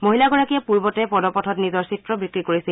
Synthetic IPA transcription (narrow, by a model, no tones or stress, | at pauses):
moɦilaɡɔɹakiɛpuɹbɔtɛpɔdɔpɔtʰɔtnizɔɹsitɹɔbikɹikoɹisil